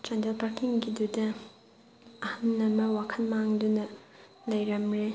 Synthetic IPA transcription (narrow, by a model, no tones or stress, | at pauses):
d͡ʒandelpaɾkiŋɡidudɐ | ɐhɐnːɐmɐwakʰɐnmaŋdunɐ | lɐjɾɐmɾe